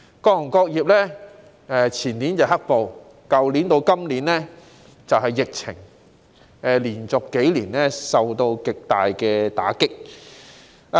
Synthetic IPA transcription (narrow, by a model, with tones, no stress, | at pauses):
kɔː˧˥ʊ˨˩ŋkɔː˧k̚jiː˨p̚lɛː˥ | ɛ˨˧t͡sʰiː˨˩nliː˨˥nt͡sɐ˨˩ɦɐ˥k̚po˨w | kɐ˨wliː˨˥nt̪o˧wkɐ˥mliː˨˥nlɛː˥ | t͡sɐ˨wɦɐ˨jːɪ˨k̚t͡sʰɪ̰˨˩ŋ | ɛ˧liː˨˩nt͡sʊ˨kːe˨˥jliː˨˩nlɛː˥sɐ˨wt̪o˧wkɪ˨k̚t̪aː˨jkɛː˧t̪a̰ː˨˥kɪ˥k̚